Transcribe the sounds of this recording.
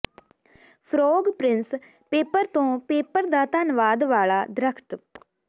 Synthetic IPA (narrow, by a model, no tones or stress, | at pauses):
pʰɾoːɡpɾɪns | peːpəɾt̪õːpeːpəɾd̪aːt̪ənʋaːd̪ʋaːɭaːd̪ɾəkʰt̪